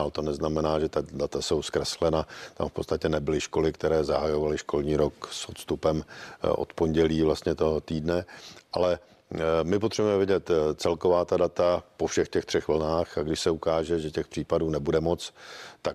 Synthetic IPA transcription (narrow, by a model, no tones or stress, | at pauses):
lt̪o̞nɛznamɛnaːʒɛt̪adat̪aso̞wskɾɛslɛnat̪a̰mfpott͡st̪acɛnɛbɪlɪʃko̞lɪkt̪ɛɾɛːzaɦajo̞valɪʃko̞lɲiːɾo̞ksot̪st̪upɛmʔo̰t̪po̞ɲɟɛliːvlast̪ɲɛt̪oɦot̪iːdnɛʔalɛ | mɪp̬ot̪r̥ɛbuɛmɛvɪɟɛt̪t͡sɛlkovaːt̪adat̪apofʃɛxcɛxt̪r̝̥ɛxvl̩naːxaɡdɪʃsɛukaːʒɛʒɛcɛxpr̥iːpaduːnɛbudɛmo̞t͡st̪ak